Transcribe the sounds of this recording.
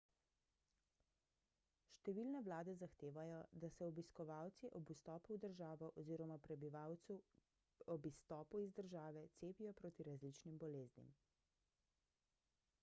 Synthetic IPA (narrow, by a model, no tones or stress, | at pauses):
ʃt̪ɛʋilnɛʋlaːd̪ɛzaxt̪eːʋajɔd̪asɛɔbiskɔʋaːwt̪siʔɔbust̪ɔːpuwd̪əɾʒaːʋɔʔɔziːɾɔmapɾɛbiʋaw | ɔbist̪ɔːpuizd̪əɾʒaːʋɛt̪seːpijɔpɾoːt̪iɾazlit͡ʃnimbɔleːznḭm